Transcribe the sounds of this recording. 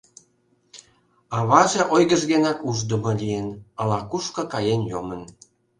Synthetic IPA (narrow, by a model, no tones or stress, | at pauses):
ɑβɑʒĕʔojɣəʒɣenɑkuʒd̪ə̆mɤ̆lʲijenɑlɑkuʃkɤ̆kɑjenjomə̆n